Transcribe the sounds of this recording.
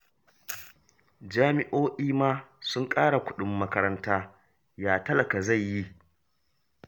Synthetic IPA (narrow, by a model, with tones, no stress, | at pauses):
d͡ʒaː˦mɪ˦ʔoː˦ʔiː˦maː˦sʊ˦ŋkʼaː˦ɽa˨kʷʊ˦ɗʊ˨mːɐ˦kɐ˦ɾɐ˦ntaː˦ | jaː˦tɐ˦lɐ˨ka˨za˦˨jji˦